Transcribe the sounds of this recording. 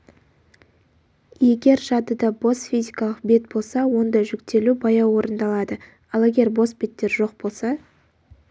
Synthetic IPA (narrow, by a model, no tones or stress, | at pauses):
je̞ɡʲe̞ɾʒɑd̪əd̪ɑbo̞sfijzʲikɑlˠəqbe̞t̪̚bo̞lˠsɑwo̞nd̪ɑʒʏkt̪e̞lubɑjɑwo̞ɾənd̪ɑlˠɑd̪ə | ɑlˠeɡʲe̞ɾbo̞sbe̞t̪ːe̞ɾʒo̞q̚bo̞lˠsɑ